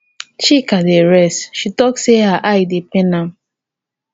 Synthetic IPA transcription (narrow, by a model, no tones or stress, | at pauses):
t͡ʃikadeɹɛsʃitɔksehaʔajdepɛnãm